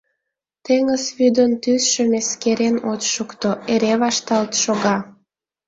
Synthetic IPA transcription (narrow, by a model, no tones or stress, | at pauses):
t̪eŋəsβyd̪ənt̪ysʃə̆meskeɾenot͡ɕʃukt̪oeɾeβɑʃt̪ɑlt̪ʃoɣɑ